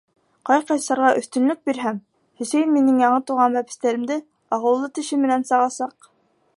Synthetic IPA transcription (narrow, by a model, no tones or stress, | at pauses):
qɑjqɑjsɑɾʁɑʔɵ̆θt̪ɵ̆nlɵk̚biɾɦæm | hɵ̆sæjnminɘŋjɑɴɤt̪uʁɑnbæpɘ̥̆st̪æɾɘ̆md̪ɘ | ɑʁɤ̆lˠːɤt̪ɘ̆ʃɘmɘ̆nænsɑʁɑsɑq̚